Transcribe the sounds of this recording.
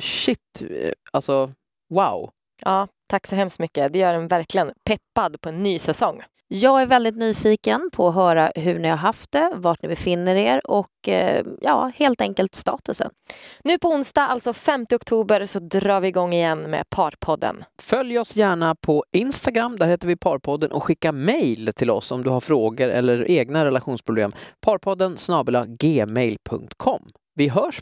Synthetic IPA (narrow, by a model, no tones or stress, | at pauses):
ɕɪt̪ːalsɔ | waw | ʔɑːt̪ʰaksɔɦɛmst̪mʏkːəd̪ɛjœːɖɛnvæɾklɪɡənpʰɛpːad̪pʰɔɛnːyːsɛsɔŋː | jɑːɡæɾvɛld̪ɪt̪̚nyːfiːkənpʰɔːɦœːɾaɦɵɳɪhaɾɦaft̪̚d̪ɛvaʈnɪbɛfɪnːəɾeːɾɔkjɑ̰ːheːlt̪ɛŋkəlt̪st̪ɑ̰ːt̪ɵsə̰nnʉ̟ːpʰɔʊnsd̪ɑalt̪sɔfɛmt̪əɔkt̪ʰuːbəɾsɔd̪ɾɑːɾvɪɪɡɔŋːɪjɛnːmɛ̰pʰɑːɾpʰɔd̪ːə̰nfœljɔsjæːɳapʰɔʔɪnst̪aɡɾamːd̪æɾheːt̪əɾvɪpʰɑːɾpʰɔd̪ːənʔɔ̰kɧɪkːamɛjlt̪ʰɪlɔ̰sɔmd̪ɵɦaɾfɾoːɡəɾɛ̰lːəɾeːɡnaɾɛlaɧuːnspʰɾʊblḛːmpʰɑːɾpʰɔd̪ːənsnɑːbəlaɡeːmɛjlpʰɵ̰ŋk̚t̪kʰɔmː | vɪɦœːʂ